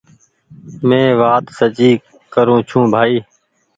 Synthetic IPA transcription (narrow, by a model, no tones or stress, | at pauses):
mẽːʋaːt̪sət͡ʃiː | kəɾũːt͡ʃʰũːbʱaːiː